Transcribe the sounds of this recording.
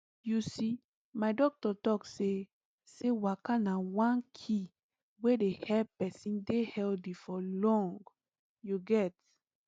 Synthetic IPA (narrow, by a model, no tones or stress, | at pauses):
jusi | maɪdɔk̚tɔtɔkse | sewakanawãnkʰi | wedehɛppɛsĩndehɛldifɔlɔ̃ŋɡ | juɡɛt